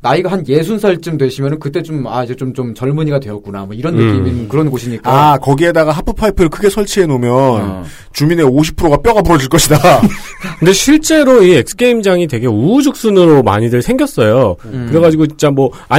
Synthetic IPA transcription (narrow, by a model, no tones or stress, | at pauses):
naiɡaɦanje̞sʰunsʰʌɭt͡ɕ͈ɯmdwe̞ɕʰimjʌnɯnkɯt͈e̞t͡ɕomaid͡ʑe̞t͡ɕomt͡ɕomt͡ɕʌɭmuɲiɡadwe̞ʌt̚k͈una̰mwʌiɾʌnːɯk͈iminɯnkɯɾʌnɡoɕʰiɲik͈akʌɡie̞daɣaɦapʰɯpʰaipʰɯɾɯɭkɯɡe̞sʰʌɭt͡ɕʰie̞nomjʌn | t͡ɕumine̞oɕʰi̥pʰɯɾoɡap͈jʌɡapuɾʌd͡ʑiɭk͈ʌɕʰida | kɯnde̞ɕʰiɭt͡ɕ͈e̞ɾoiek̚s͈ʰɯ̥kʰeimd͡ʑaŋitwe̞ɡe̞ud͡ʑuk̚s͈ɯnɯɾoma̰ɲidɯɭsʰeŋɡjʌs͈ʌjokɯɾe̞ɣad͡ʑiɡot͡ɕint͡ɕ͈amwʌ | a